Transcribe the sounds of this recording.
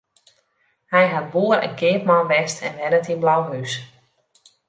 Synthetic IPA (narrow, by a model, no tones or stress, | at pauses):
hɛjɦat̚buəɾɛ̰nkʰɪːpmanʋɛstʰɛnʋɛdətinblawɦys